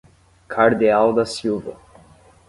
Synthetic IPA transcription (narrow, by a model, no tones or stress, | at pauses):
kʰaɾd̪iawd̪ɐsiwvɐ̰